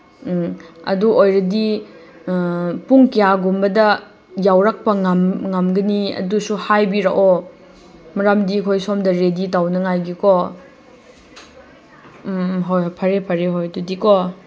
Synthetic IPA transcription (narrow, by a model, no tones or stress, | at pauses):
ɐ̰duʔojɾɐdi | puŋkijaɡumbɐdɐ | jawɾak̚pɐŋamŋamɡɐniɐ̰dusuhajbiɾa̰kɔ | mɐɾamdikʰojsomdɐɾeditawnɐŋajɡikɔ | ɦojpʰɐɾepʰɐɾeɦojdudikɔ